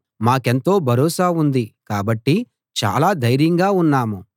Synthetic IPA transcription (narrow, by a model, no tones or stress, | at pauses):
maːke̞nt̪o̞ːbʱɐɾɔːsaːund̪ikaːbɐʈːi | t͡ʃa̰ːlaːd̪ɐjɾjɐŋɡaːunːaːmu